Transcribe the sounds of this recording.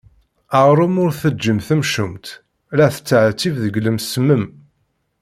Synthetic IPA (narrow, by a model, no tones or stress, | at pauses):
əʁɾˤəmʊɾθəd͡ʒːəmθəmʃʊmt̪ | ɾæθə̥t͡sːəʕt͡sːivðəɡləmsməm